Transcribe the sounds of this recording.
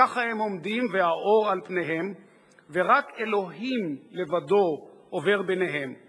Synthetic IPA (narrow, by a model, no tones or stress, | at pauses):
aχahemomd̪imvehaʔo̞ʁalpneɦe̞m | ve̞ʁake̞lo̞ɦimle̞vad̪o̞ | ʔove̞ʁbeneɦem